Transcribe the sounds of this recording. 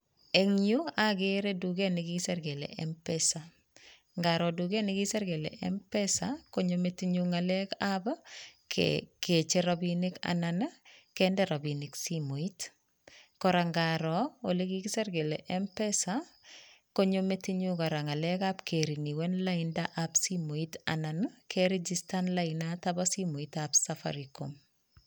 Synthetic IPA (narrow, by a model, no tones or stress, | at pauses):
eŋioaɡeɾeduɡenɪɡisɛɾɡelḛʔɛmpɛsa | ŋɡaɾɔduɡɛnɪɡisɛɾɡelḛʔɛ̰mpɛsakoɲometiɲuŋalɛkabkket͡ʃeɾabinika̰nanakɛndɛɾabinɪksimoit | kɔɾaŋɡaɾɔolekikiseɾɡelḛʔɛmpɛsa | koɲometiɲukaɾaŋalɛkabkʰeɾiniwɛnlaindaʔapsimoita̰nankʰɛɾed͡ʒistanlainatabasimoitabsafa̰ɾiko̰m